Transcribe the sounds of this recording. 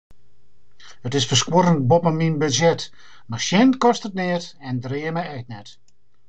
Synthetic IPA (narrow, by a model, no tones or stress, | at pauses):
ətɪsfəskwoɾənt̚bopəminbøzjɛt | marʃjɛnkɔstətnɪətɛndrɪəmɛjɛtnɛt